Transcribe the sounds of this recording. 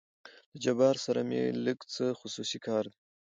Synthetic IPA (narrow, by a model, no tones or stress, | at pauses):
l̥əd͡ʒabɑɾsaɾa̰mḛləɡt͡səxʊsusikʰɑːɾd̪i